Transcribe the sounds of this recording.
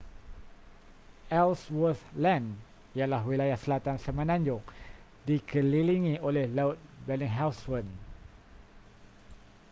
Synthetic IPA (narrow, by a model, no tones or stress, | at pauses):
ɛlswəθlɛ̃n | ijalahwilajahsəlat̪ansəmãnãɲd͡ʒʊŋ | dikʰəliliŋĩolɛhlaʊt̪̚bɛlĩŋɦawswən